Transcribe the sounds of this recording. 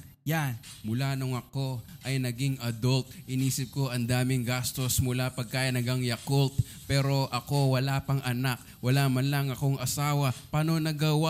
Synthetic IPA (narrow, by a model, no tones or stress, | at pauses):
janmʊlanoŋɐko̞ʔɐjnɐɡiŋʔɐd̪olt̪̚ʔɪniːsɪp̚ko̞ʔɐnd̪aːmɪŋɡast̪o̞smʊlapɐɡ̚kaːjɐnɐɡɐŋjɐkolt̪̚ | pɛːɾo̞ʔɐko̞wɐlaːpɐŋʔɐnak̚wɐlaːmɐnlɐŋɐko̞ŋʔɐsaːwɐpaːno̞nɐɡɐwa